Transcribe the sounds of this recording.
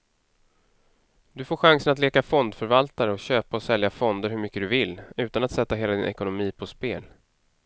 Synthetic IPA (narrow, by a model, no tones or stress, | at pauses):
d̪ɵfoːɾɧaŋsənat̪leːkafɔnd̪fœɾvalt̪aɾəɔɕøːpaɔsɛljafɔnd̪əɾɦɵɾmʏkːəd̪ɵvɪlːʉ̟ːt̪anat̪sɛt̪ːaɦeːlad̪ɪnʔɛ̰kʊnʊmiːpʰɔspeːl